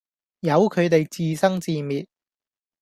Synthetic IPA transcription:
jɐ˨˧wkʰɵ˨˧ɥt̪e˨jt͡siː˨sɐ˥ŋt͡siː˨˧miː˨t̚

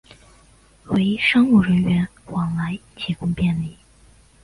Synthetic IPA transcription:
we˧˥ɪʂɑ˥ŋu˥˩ɻə˧˥nɥɛ˧˥nwɑ˨˩ŋla˧˥ɪt͡ɕʰi˧˥kʊ˥ŋpjɛ˥˩nli˨˩˦

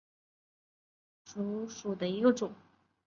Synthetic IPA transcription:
ʂu˧˥ʂu˨˩d̪ə˦i˧˥ɡə˧ʈ͡ʂʊ˨˩˦ŋ

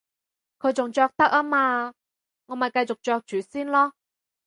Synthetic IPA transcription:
kʰɵ˨˧ɥt͡sʊ˨ŋt͡ʃœː˧k̚t̪ɐ˥k̚aː˥maː˧ | ŋɔː˨˧mɐ˨jkɐ˧jt͡sʊ˨k̚t͡ʃœː˧k̚t͡ʃyː˨˧siː˥nlɔː˥

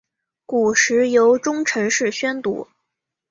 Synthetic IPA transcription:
ku˨˩ʂɻ̩˧˥jo˧˥ʊʈ͡ʂʊ˥ŋʈ͡ʂʰɤ˧˥ŋʂɻ̩˥˩ɕɥɛ˥nt̪ṵ˧˥

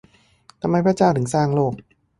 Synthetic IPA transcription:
t̪ʰa˧mːa˧jpʰɾa˦˧˥t͡ɕaː˧˩wt̪ʰɯ˩˦ŋsaː˧˩ŋloː˥˩k̚

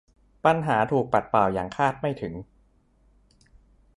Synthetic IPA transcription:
pa˧nɦaː˩˦t̪ʰuː˨˩k̚pa˨˩t̪̚paː˨˩wjaː˨˩ŋkʰaː˥˩t̪̚ma˥˩jt̪ʰɯ˩˦ŋ

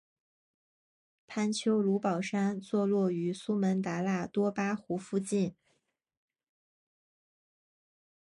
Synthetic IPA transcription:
pʰa˥nt͡ɕʰjo˥ʊlu˧˥pɑ˨˩ʊʂa˥nt͡swɔ˥˧lwɔ˥˩y˧˥su˥mə˧˥nt̪a˧˥la˥˩t̪wɔ˥pa˥xu˧˥fu˥˧t͡ɕi˥˩n

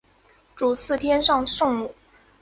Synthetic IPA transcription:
ʈ͡ʂu˨˩sɹ̩˥˩t̪ʰjɛ˥nʂɑ˥˧ŋʂo˥˧ŋmu˨˩

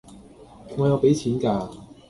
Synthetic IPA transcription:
ŋɔː˨˧jɐ˨˧wpe˨˥jt͡ɕʰiː˨˥nkaː˧

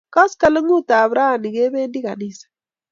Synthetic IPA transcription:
kɔ˦ska˦lɪ˦ŋu˦ta˨βɾa˦˨ni˨ke˦be˦ndi˦ka˨ni˦˨sḁ˨

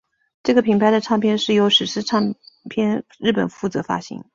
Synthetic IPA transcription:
ʈ͡ʂɤ˥˩ɡə˩pʰi˧˥ŋpʰa˥ɪd̪ə˨ʈ͡ʂʰɑ˥˧ŋpʰjɛ˥nʂɻ̩˥˩jo˧˥ʊʂɻ̩˨˩ʂɻ̩˥ʈ͡ʂʰɑ˥˩ŋpʰjɛ˥nɻ̩˥˩pə̰˨˩nfu˥˩t͡sɤ˧˥fa̰˥ɕḭ˧˥ŋ

